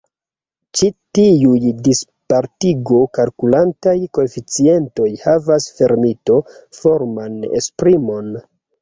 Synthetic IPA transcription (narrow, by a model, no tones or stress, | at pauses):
t͡ʃitiujdispaɾtiɡo̞kalkulantajko̞efit͡sie̞nto̞jhavasfe̞ɾmito̞fo̞ɾmanḛspɾimo̞n